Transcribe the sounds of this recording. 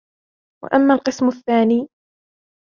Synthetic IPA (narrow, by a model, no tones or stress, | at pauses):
wa̰ʔamːaːlqɨsmʊθːaːniː